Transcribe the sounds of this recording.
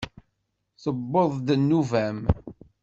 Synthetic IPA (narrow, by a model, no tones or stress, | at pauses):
θəbːoðˤd̪ənːuvæm